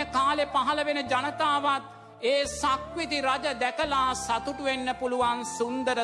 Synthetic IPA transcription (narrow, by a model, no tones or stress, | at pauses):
kaːlepaɦɐləʋenəd͡ʒanət̪aːʋat̪̚ | eːsakʋit̪iɾad͡ʒəd̪ækəlaːsat̪uʈuʋenːəpuluʋansund̪əɾə